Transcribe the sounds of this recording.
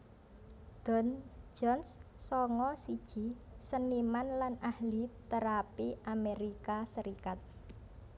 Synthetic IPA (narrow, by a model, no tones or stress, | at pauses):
d̪̥ɔnd͡ʒɔnssɔŋɔsi̥ʒ̥i̤ | sənimanlanahlit̪əɾapiʔameɾikasəɾikat̪̚